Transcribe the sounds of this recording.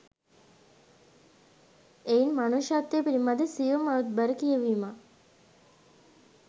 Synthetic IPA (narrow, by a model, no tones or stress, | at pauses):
einmanuʃat̪ːeːpiɾimad̪esiʋəmaʋut̪̚bəɾəkijəʋiːma